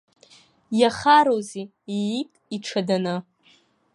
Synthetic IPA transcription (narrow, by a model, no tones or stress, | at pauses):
jaχaɾozi | ijitʼiʈ͡ʂʰadanɨ